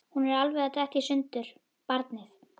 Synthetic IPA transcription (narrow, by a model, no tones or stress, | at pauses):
hunɛɾalvɛðat̪ɛht̪ɪsʏnt̪ʏɾ̥ | paɾt̪nɪθ